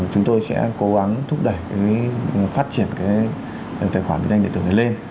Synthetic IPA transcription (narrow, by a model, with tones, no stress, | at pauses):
t͡ɕʊ˨˦ŋ͡mt̪o˧jsɛ̰˧˥ko˨˦ɣa˨˦ŋt̪ʰʊ˦˥k͡p̚ɗə˨˧˩jkaː˨˦faː˦˥t̚t͡ɕi˧˩ənkaː˨˦j | t̪ʰa˨˩xwaː˧˩˨ḭ˨˧˥a˧ŋ˧ḭ˧˨˧nə˨˦le˧n